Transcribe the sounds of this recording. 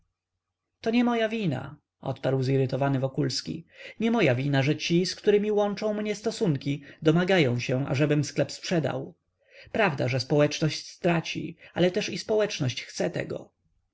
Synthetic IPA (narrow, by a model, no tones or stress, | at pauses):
t̪ɔɲɛmɔjavʲina̰ | ʔɔ̰t̪paɾwziɾɘt̪ɔvanɘvɔkulskʲḭɲɛmɔjavʲinaʐɛt͡ɕiskt̪uɾɘmʲiwɔnt͡ʂɔ̃w̃mɲɛst̪ɔsuŋkʲid̪ɔmaɡajɔ̃w̃ɕɛʔa̰ʐɛbɘmsklɛpspʂɛd̪a̰w | pɾavd̪aʐɛspɔwɛt͡ʂnɔɕt͡ɕst̪ɾat͡ɕḭalɛt̪ɛʂispɔwɛt͡ʂnɔɕt͡ɕxt̪sɛt̪ɛ̰ɡɔ̰